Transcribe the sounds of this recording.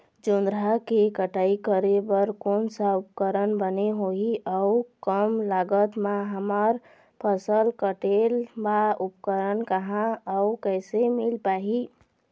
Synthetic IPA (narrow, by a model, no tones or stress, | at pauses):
d͡ʒond̪ɾakekəʈaikəɾebəɾkonsaupkəɾənbəneɦoɦiʔəukəmlaɡət̪maɦəməɾ | pʰəsəlkəʈelbaupkəɾənkəɦãəukəsemilpaɦi